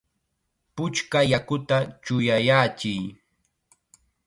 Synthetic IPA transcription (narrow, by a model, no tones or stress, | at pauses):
pʊt͡ʃkajakʊt̪at͡ʃʊjajaːt͡ʃɪj